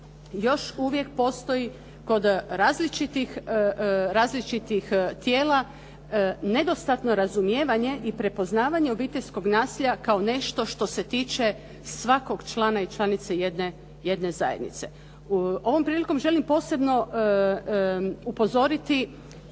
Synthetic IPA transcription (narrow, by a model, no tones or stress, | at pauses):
jo̞ʃuʋje̞kpo̞ːst̪o̞ji | ko̞d̪ɾaːzlit͡ʃit̪ix | ɾaːzlit͡ʃit̪ixt̪jeːla | ne̞d̪o̞st̪at̪no̞ɾazumjeːʋaɲe̞ʔipɾe̞po̞znaːʋaɲe̞obiːt̪eʎʲsko̞ɡnaːsiʎakao̞ne̞ʃt̪o̞ʃt̪o̞se̞t̪iːt͡ʃe̞ | sʋako̞ɡt͡ʃlˠanait͡ʃlˠanit̪sejed̪ne | je̞d̪ne̞za̰jed̪nḭt̪se̞̰ | o̞ʋo̞mpɾiːliko̞mʒe̞limpo̞ːse̞bno̞ | upo̞zo̞ɾit̪i